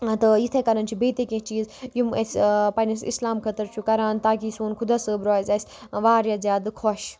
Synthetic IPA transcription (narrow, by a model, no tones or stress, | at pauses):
t̪ɨjit̪ʰekɐɾɐnt͡ʃʰubeːt̪ekẽt͡ʃiːzjumɐspɐnɐsḭslaːmkʰɐt̪əɾt͡ʃʰukɐɾaːnt̪aːkisuːnkʰud̪aːsəbɾɔːzʲɐsʲʋaːɾjazʲjaːd̪kʰɔʃ